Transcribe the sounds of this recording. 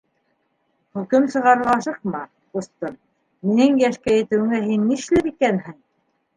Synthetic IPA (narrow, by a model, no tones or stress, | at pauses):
χʉkɘmsɤ̆ʁɑɾʁɑʃɤ̆q̚mɑ | ŭst̪ɤn | minɘŋjæʃkæjɘ̆t̪ɘ̆wɘ̆ŋæɦinːiʃlɘɾikænhɘŋ